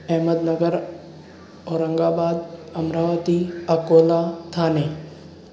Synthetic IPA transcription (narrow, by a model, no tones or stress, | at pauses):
ɛɦməd̪nɐɡəɾ | oːɾə̃ŋɡaːbaːd̪ɐmɾaːʋət̪iɐkoːlat̪ʰaːne